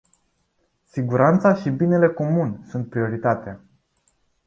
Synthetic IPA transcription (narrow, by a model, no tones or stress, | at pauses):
siɡuɾant̪saʃibine̞le̞ko̞munsunt̪̚pɾio̞ɾit̪at̪ea